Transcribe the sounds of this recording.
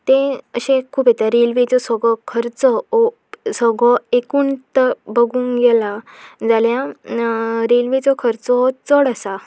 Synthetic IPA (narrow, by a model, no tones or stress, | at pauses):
t̪ẽəɕẽkʰːuːbet̪aɾelʋet͡sɔsɔɡɔkʰəɾt͡sɔɔ | sɔɡɭɔekuːnt̪əbəɡuːŋɡɛlad͡zalja | ɾelʋet͡sɔkʰəɾt͡sɔt͡səɽəsa